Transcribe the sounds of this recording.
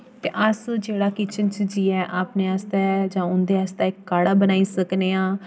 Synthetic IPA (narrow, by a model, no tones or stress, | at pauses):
t̪eːʔəsd͡ʒeːɽaːkɪt͡ʃənt͡ʃd͡ʒiːɛːʔaːpneːaːst̪ɛːd͡ʒãːʊnd̪eːaːst̪ɛːɪkːaːɽaːbənaːiːsəkneːãː